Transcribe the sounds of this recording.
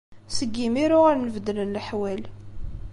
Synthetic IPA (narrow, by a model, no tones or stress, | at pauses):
səɡːimiɾʊʁæɾnəvd̪lənlħwæl